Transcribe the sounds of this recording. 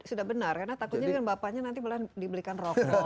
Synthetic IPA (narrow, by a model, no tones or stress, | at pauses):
sudahbənarkaɾənat̪akʊt̪̚ɲadəŋanbapaɲanant̪ibəladibəlikanrɔ